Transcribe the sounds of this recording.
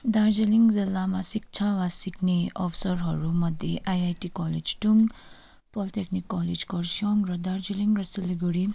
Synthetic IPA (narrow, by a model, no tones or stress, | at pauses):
d̪aɾd͡ʒiliŋzilːamasik̚t͡ʃʰawasikʰneɔ̰pʰsʌɾɦʌɾumʌd̪ʱjeʔajajtikɔled͡ʒʈuŋɡ | pɔliteknikːɔled͡ʒkɔɾsɔŋɾʌd̪aɾd͡ʒiliŋɾʌsiliɡuɽi